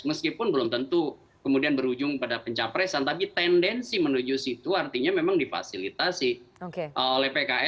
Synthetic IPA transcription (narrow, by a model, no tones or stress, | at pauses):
məskipʊnbəlʊmt̪ənt̪u | kəmudianbəɾud͡ʒʊŋpadapəɲt͡ʃapɾɛsant̪apit̪ɛndɛnsimənud͡ʒusit̪uart̪iɲamemaŋdifa̰silit̪asɪhokeʔəolɛhpekaɛ